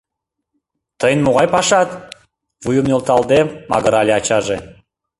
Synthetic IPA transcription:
t̪əjənmuʁɑjpɑʃɑt̪ | vujumnʲolˠt̪ɑlˠd̪emɑ̰ɣəɾɑlʲeɑt͡ɕɑʒe

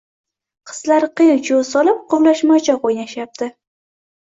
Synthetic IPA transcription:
qʰɨ̥z̥laɾqɨjd͡ʒolsɒlɪp̚qʰʊwlaʃmat͡ʃʰaqojnaʃap̚d̪̥ɪ

